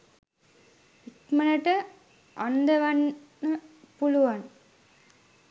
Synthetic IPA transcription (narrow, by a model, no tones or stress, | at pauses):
ikmɐlɐʈə | ʔand̪ɐʋannə | puluʋan